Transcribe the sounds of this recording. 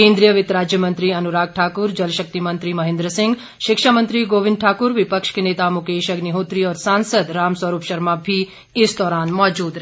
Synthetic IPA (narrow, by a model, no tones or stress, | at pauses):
kẽːnd̪ɾijəʋɪt̪ɾaːd͡ʒjəmə̃nt̪ɾiɐnuɾaːɡ̚ʈʰaːkuɾd͡ʒɐlʃək̚t̪imənt̪ɾimɐɦẽnd̪ɾəsɪ̃ŋɡ | ʃɪkʃamə̃nt̪ɾiɡoːʋɪ̃nd̪̚ʈʰaːkuɾʋɪpəkʃkeneːt̪amukeːʃəɡniɦot̪ɾiɔːɾsaːnsəd̪ɾaːmsʋɐɾuːpʃɐɾmabʱi | ɪsd̪ɔːɾaːnmɔːd͡ʒuːd̪ɾ